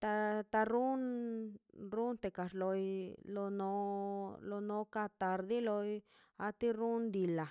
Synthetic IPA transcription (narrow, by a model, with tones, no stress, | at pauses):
t̪a˧t̪a˧ɾu˦n | ɾu˦nt̪e˧˨ka˨ʂlo˧jlo˧no˧lo˧no˧˦ka˧t̪a˧ɾd̪i˦lo˧j | a˧t̪i˦ɾu˦nd̪i˨la˨